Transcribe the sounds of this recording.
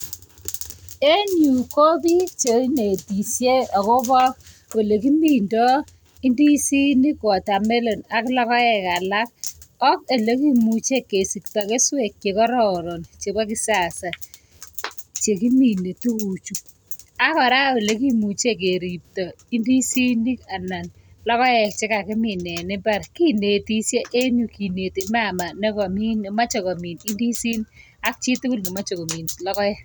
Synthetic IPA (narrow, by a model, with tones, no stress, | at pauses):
e˦ɲu˨ko˦bi˦k̚t͡ʃe˨i˦ne˨ti˨sje˦ɔ˨ko˦bɔ˦k | wo˨le˨ki˦mi˨ndɔ˦ | i˦ndi˦si˦ni˦kɔ˨ta˨me˦lo˨na˦klɔ˦kɔ˦ɛ˨ka˨la˦k̚ɔ˦ke˨le˦ki˦mu˨t͡ʃe˦kːe˨si˨kta˨ke˦swe˨kje˨kɔ˦ɾɔ˨ɾo˨nt͡ʃe˨ba˦ki˦sa˨sa˨ | t͡ʃe˨ki˦mi˨ne˨tu˦u˨t͡ʃu˨ | a˦kɔ˨ɾa˦we˨le˦ki˦mu˨t͡ʃe˦˨k̬e˨ɾi˨p̚tɔ˨ | i˦ndi˦si˦ni˦ka˨na˨n | lɔ˦kɔ˦jɛ˦t͡ʃɪ˦ka˨kɪ˦mɪ˨nɛ˨nɪ˦ba˦ɾki˦ne˨ti˦se˦ʔe˦ɲu˨ki˨ne˨ti˨m˦a˦˨ma˨nɛ˦kɔ˨mi˦ne˨ma˦t͡ʃɔ˨ko˨mi˨ni˦ndi˦si˦n | a˦k̚t͡ʃi˦tu˦ku˦lni˨ma˦t͡ʃo˨ko˨mi˨nlɔ˦kɔ˦jɛ˦